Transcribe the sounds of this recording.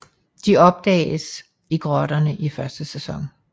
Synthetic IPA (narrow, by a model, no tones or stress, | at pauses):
d̥iɒ̽b̥̚d̥ɛ̰ːɪs | iɡ̥ʁɒɾ̥ɐnəʔifɶɐsd̥əsesɒ̽ŋ